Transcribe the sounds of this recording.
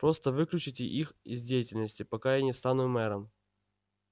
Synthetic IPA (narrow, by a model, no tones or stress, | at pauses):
pɾo̞st̪əvɨklʲʉt͡ɕɪtʲɪʔixɪ̰zʲdʲejɪtʲɪlʲnəsʲtʲɪpɐkajanʲɪst̪anʊmɛɾəm